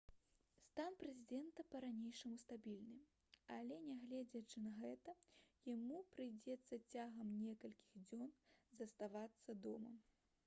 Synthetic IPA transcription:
st̪anpɾɛzʲid̪ɛnt̪ɐpɐɾanʲejʂɐmust̪abʲilʲnɨ | alʲɛnʲaɣlʲɛd͡zʲɐt͡ʂɨnɐɣɛt̪ɐjamupɾɨjd͡zʲɛt̪sːɐt͡sʲaɣɐmnʲɛkɐlʲkʲiɣd͡zʲɔnzɐst̪avat̪sːɐd̪ɔmɐ̰

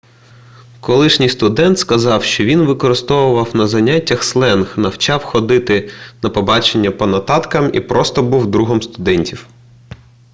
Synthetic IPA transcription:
kɔlˠɪʃnʲijst̪ʊd̪ɛnt̪skɐzɑwʃt͡ʃɔʋʲinʋɪkɔɾɪst̪ɔwʊʋɐwnɐzɐnʲatʲːɐxslˠɛnxnɐwt͡ʃɑwxɔd̪ɪt̪ɪnɐpɔbɑt͡ʃenʲːɐpɔnɐt̪ɑt̪kɐmḭpɾɔst̪ɔbuwd̪ɾuɦɔmst̪ʊd̪ɛnʲtʲiw

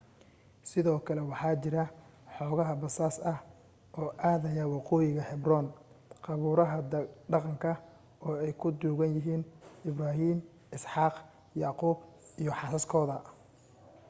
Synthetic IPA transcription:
sɪðɔːkʰɐlɛwɑħɑːt͡ʃɪɾɐħɔːɣɐɦɐbɐsaːsɐh | ʔɔːʔaːðɐjɐwɑqɔːjɪɣɐhɛbrɔːn | qɑβuːɾɐɦɐɖ̪ɑqɑŋkʰɐ | ʔɔːɛjkʰʊd̪uːɣɐnjɪɦiːnɪbraːɦiːm | ɪsħɑːq | jɑːquːb | ijɔħɑsɐskʰɔːðɐ

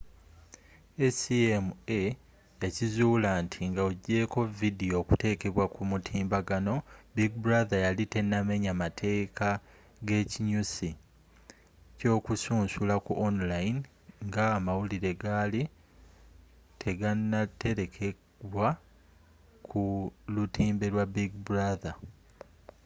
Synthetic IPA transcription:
esiemue | jacizuːlaːntʰiŋɡaoɟːe̞ːko̞vidio̞ːkute̞ːke̞βwakumutʰiːmbaɡano̞biɡ̚bɾaðajalite̞nːame̞ɲamatʰe̞ːkʰa | ɡe̞ːciɲusi | co̞ːkusuːnsulakuʔonlain | ŋɡaːmawuliɾe̞ɡaːli | tʰe̞ɡanːatːe̞ɾe̞kʰe | βwa | kʰulutiːmbe̞ɾwabiɡbuɾaða

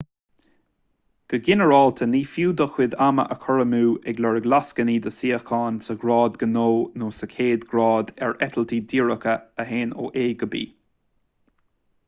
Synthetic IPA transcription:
ɡ̥əɡɪnəɹɑːlt̪ʰəniːfjuːd̪əxwɪd̪amə̰ʔəkʰɔɹəmuːɛɡlɛɹəɡlaskəniːd̪əsiːəxkʰɑːnsəɡɹɑːd̪ɡənoːnoːsəkʰeːd̪ɡɹɑːd̪ɛɹɛt̪ʰəlt̪ʰiːd̪iːɹəkəəɦeːno̰ːʔeːɡəbḭː

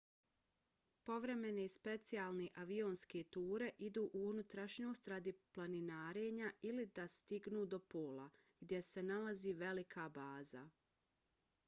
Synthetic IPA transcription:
po̞ʋɾe̞me̞ne̞spe̞t̪siaːlˠneʔaʋio̞nske̞t̪uːɾe̞ʔid̪uːʔuunut̪ɾaʃɲo̞ːst̪ɾad̪iplˠaninaːɾe̞ːɲailid̪ast̪iɡnuːd̪o̞poːlˠa | ɡ̥d̪ʲje̞se̞nalaziːʋe̞likʰabaːza̰

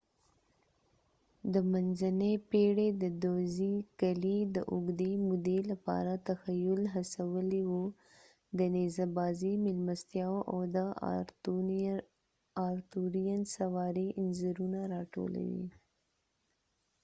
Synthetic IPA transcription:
d̪əmanzanepeɽed̪əd̪ozikalid̪əʔʊɡd̪emud̪elapɑ̰ɾat̪axajʊlɦasawəlewo | d̪ənezabɑzimɪlmast̪jɑwʔa̰wd̪ə | ɑɾt̪uɾijansawɑɾeʔɪnzəɾunaɾɑʈo̰la̰wḭ

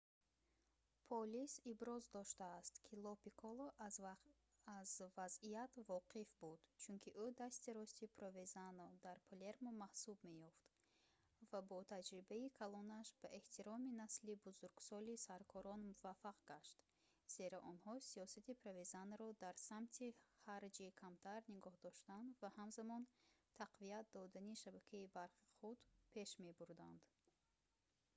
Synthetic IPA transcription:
pʰɔlisibɾɔzd̪ɔʃt̪aːst̪kʰilɔpikʰɔlˠɔ | azvaziat̪vɔqifbud̪̥t͡ʃʰunkʰiʔud̪ast̪iɾɔst̪ipʰɾovezanɔd̪aɾpʰole̞ɾmomahsubme̞jɔft̪ | vabɔt̪ʰad͡ʒɾibaikʰalɔnaʃbaʔe̞ht̪ʰiɾɔminaslibuzuɾɡsɔlisaɾkʰɔɾɔnmuvafːaqɡaʃt̪ | z̥e̞ɾaʔɔnhɔsiɔsat̪ipʰɾavezanːɾɔd̪aɾsamt̪ʰiχaɾd͡ʒikʰamt̪ʰaɾniɡɔhd̪ɔʃt̪and̪vahamzamɔnt̪ʰaqviat̪̚d̪ɔd̪aniʃabakʰaibaɾχi̥χud̪pʰe̞ʃme̞buɾd̪and̪

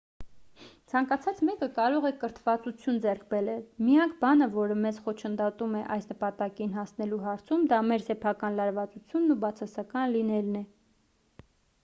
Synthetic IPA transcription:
t͡sʰɑŋkɑt͡sʰɑt͡smɛkəkɑɾɔʁɛkəɾt̪ʰvɑt͡sut͡sʰjund͡zɛɾkʰbɛɾɛlmijɑŋkʰbɑnəvɔɾəmɛzχɔt͡ʃʰənd̪ɔt̪umɛʔɑjsnəpɑt̪ɑkinɦɑsnɛluɦɑɾt͡sʰumd̪ɑmɛɾsɛpʰɑkɑnlɑɾvɑt͡sut͡sʰjunːubɑt͡sʰɑsɑkɑnlinɛlnɛ

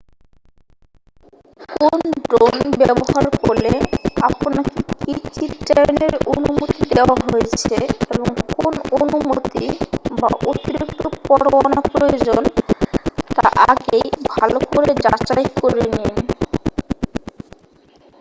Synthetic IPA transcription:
konɖɾonbɛboɦaɾkoɾleaponakikit͡ɕiʈeneɾonumot̪id̪eoaɦojet͡ɕʰeeboŋkononumot̪iba̰ʔot̪iɾik̚t̪opɔɾowanapɾojod͡ʑon | t̪aɾʔaɡejbʱalokoɾed͡ʑat͡ɕajkoɾenin

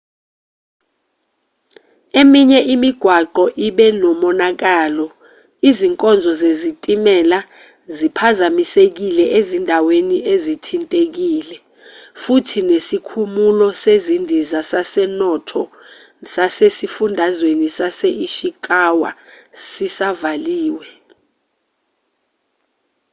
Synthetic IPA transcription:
emiɲɛʔimiɡ̥ʱwaǃɔʔiɓɛnɔmɔnak̬aːlɔ | iziŋkʼɔnd͡zʱɔzezitʼimɛla | zipʰazamisek̬ilɛʔezindʱaweniʔezitʰintʼek̬iːlɛ | futʰinesikʰumulɔsezindʱizasasɛnɔtʰɔ | sasesifundʱazwenisaseiʃik̬ʼawa̰sisavaliːwɛ

